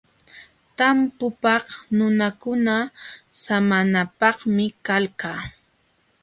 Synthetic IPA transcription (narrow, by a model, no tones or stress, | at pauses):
t̪ampʊpɑχnʊnakʊnasamanapɑχmɪkalkaː